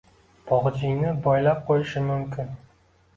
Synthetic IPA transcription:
bʰɒʁd͡ʒɪjnɪbɒjlap̚qʰojɪʃɪmʊmkʲɪn

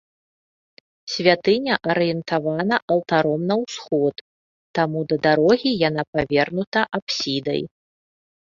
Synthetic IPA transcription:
sʲvʲat̪ɨnʲɐʔɐɾɨjɛnt̪avanɐʔɐlˠt̪aɾɔmnɐwsxɔt̪ː | amud̪ɐd̪aɾɔɣʲijan̪apavʲɛrnut̪ɐʔapsʲid̪ɐ̰j

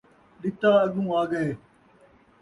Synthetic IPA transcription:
ɗɪt̪aːɐɠũːaːɡəeː

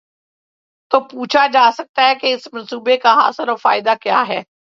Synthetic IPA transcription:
t̪oːpuːt͡ʃʰad͡ʒaːsɐk̚t̪aɦɛkeɪsmɐ̃nsuːbekaɦa̰ːsəɾɔːɾfa̰ːɪd̪akja̰ːɦɛː

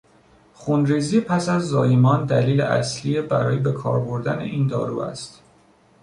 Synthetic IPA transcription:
χunɾiːziːpʰæsæzːɒːjemɒːnd̪æliːlḛʔæ̰sliebæɾɒːjebe̞kʰɒ̰ːɾboɾd̪æne̞̰ʔiːnd̪ɒ̰ːɾuːæ̰st̪

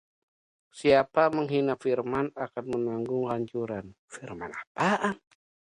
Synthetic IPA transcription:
siapaməŋɦinafirmanakanmənaŋɡʊŋlaɲt͡ʃuɾanfirma̰napaʔ

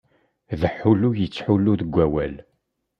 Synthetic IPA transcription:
ðəħːulujət͡sːħuluðəɡʷːæwæl

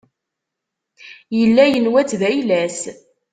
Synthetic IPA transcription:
jəlːæjənwæt͡sːðæjlæs

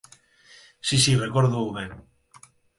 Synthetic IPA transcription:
sisirekoɾðowβeŋ

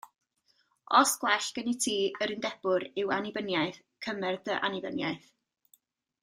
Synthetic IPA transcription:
ɔsɡ̥wɛɬɡ̥ənitʰiːəɾɪndɛbʊɾɪwanibənjajθ | kʰəmɛrdəʔa̰nibənjajθ

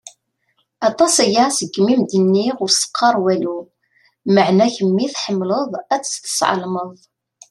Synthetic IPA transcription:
ɑt̪ˤɑsæjasəɡːmimd̪ənːiʁʊɾsə̥qʰːɑɾˤwælu | məʕnæçəmːiθħəmːləðˤæt͡sːθə̥sʕə̰lməðˤ

